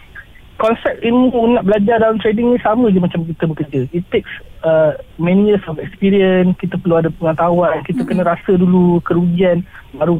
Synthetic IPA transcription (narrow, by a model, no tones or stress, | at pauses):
kɔnsɛp̚t̪inmunaʔ̚bəlad͡ʒardalant̪ɾediŋɲisamə̃d͡ʒəmat͡ʃamk̬it̪əbəkərd͡ʒəit̪ːeksəmɛ̃nijəsɔfɛkspiɾiənkit̪əpərluadəpəŋət̪awankit̪əkənə̃ɾasədulukəɾud͡ʒianbaɾu